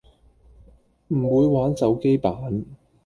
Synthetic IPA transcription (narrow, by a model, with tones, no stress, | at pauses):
m̩˨˩wuː˨˧jwaː˨˥nt͡sɐ˨˥wke˥jpaː˨˦˥n